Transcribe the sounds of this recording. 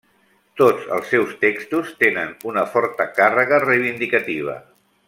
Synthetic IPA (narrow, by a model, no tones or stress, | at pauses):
t̪od͡zə̰lˠsːɛwst̪ekst̪ust̪enənunəfɔɾt̪əkarəɣ̞ərəjβind̪ikət̪iβ̞ə̰